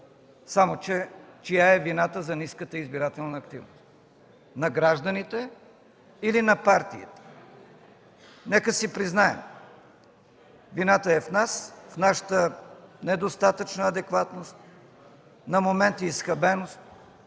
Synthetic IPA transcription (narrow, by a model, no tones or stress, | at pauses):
samot͡ʃɛt͡ʃijaɛvinat̪əzɐniskət̪əizbiɾat̪ɛlˠnəːkt̪ḭvnost̪ | nɐɡɾaʒd̪ənit̪ɛ | ilinɐpaɾt̪iḭt̪ɛ̥ | nɛkəsipɾiznaɛ̰m | vinat̪əɛfnasfnaʃə̥t̪ənɛd̪ost̪at̪ət͡ʃnəːd̪ɛkvat̪nost̪ | nɐmomɛnt̪iːsxɐbɛnost̪̚